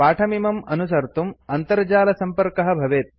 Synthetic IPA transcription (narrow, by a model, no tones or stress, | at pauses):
paːʈʰɐmimɐmɐnusɐɾt̪umɐnt̪ɐɾd͡ʒaːlɐsɐmpɐɾkɐɦɐ̆bʱɐʋeːt̪̚